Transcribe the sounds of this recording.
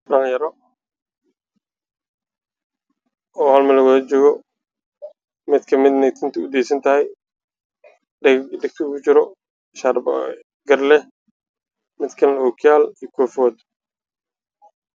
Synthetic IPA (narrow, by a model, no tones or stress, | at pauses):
ɖɐnjɐɾɔ | ɔːhɐlmɐlɐɣɔðɐt͡ʃɔːɣɔ | mɪd̪kʰɐmɪd̪nɛjt̪ʰɪnt̪ʰɐʊd̪ɛːsɐnt̪ʰɐɦɛj | ɖɪk̚t̪ʰɪkʰʊt͡ʃɪɾɔ | ʃɐrb | ɡɐrlɛ | mɪd̪kʰɐluːkʰjaːlijkʰɔːfɔːd̪